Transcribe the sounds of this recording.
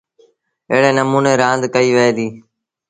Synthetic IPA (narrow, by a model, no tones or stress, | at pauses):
ɪ̰ɦɽeːnəmuːneːɾãːnd̪kəiːʋəeːd̪iː